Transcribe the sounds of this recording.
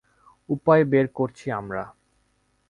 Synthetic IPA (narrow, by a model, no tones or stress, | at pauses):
upaebeɾkoɾt͡ɕʰiamɾa